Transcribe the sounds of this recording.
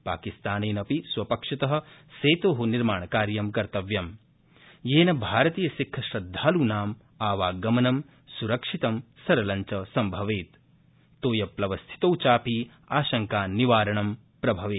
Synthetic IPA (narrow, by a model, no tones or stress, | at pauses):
pa̰ːkist̪aːneːnɐpisʋɐpɐkʂɐt̪ɐɦɐ̆seːt̪oːɦuniɾmaːɳɐkaːɾjɐmkɐɾt̪ɐʋjɐm | jeːnɐbʱaːɾɐt̪iːjɐʃikʰːɐʃɾɐd̪ʱːaːluːnaːm | aːʋaːɡɐmɐnɐm | suɾɐkʂit̪ɐmsɐɾɐlɐɲt͡ʃɐsɐmbʱɐʋeːt̪ː | oːjɐplɐʋɐst̪ʰi̥t̪oːwt͡ʃaːpiː | aːʃɐŋkaːniʋaːɾɐɳɐm | pɾɐbʱɐʋeːt̪